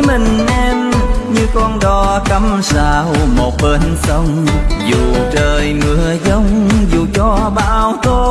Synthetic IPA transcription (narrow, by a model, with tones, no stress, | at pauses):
mï˨˩ŋ̟ʔɛ˧mɲɨ˧kɔ˧nɗɔ˨˧˦kə˨˦msaː˧˩wmo˨˩t̚ɓə˧nsə˧wŋ͡mzu˨˩t͡ɕəː˨˩jŋɨ˨˩əzə˧˦wŋ͡mzu˨˩t͡ɕɔ˧ɓa̰ː˧˨wt̪o˧